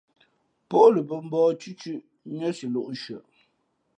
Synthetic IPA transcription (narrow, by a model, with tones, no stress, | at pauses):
po˦ʔlə˨bə˨m̩˦bɔː˦t͡ʃʉ˦t͡ʃʉ˦ʔ | ɲə˦si˨lo˦˨ʔʃɥə˨ʔ